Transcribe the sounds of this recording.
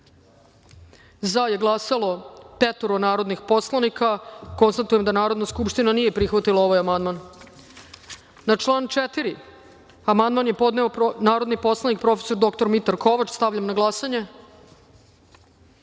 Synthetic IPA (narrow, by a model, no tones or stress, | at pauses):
zaje̞ɡlˠasalo̞pet̪oɾonaːɾo̞d̪nixpo̞slˠanikʰako̞nst̪at̪ujemd̪anaːɾo̞d̪naskupʃt̪inanije̞pɾixʋat̪ilˠao̞ʋajamand̪man | nat͡ʂlˠaːnt͡ʃet̪iɾi | amand̪manje̞po̞d̪neonaːɾod̪nipo̞slˠanik̚pɾo̞feso̞ɾd̪o̞kt̪o̞ɾmit̪aɾkoʋat͡ʃst̪aʋʎamnaɡlˠasaɲe̞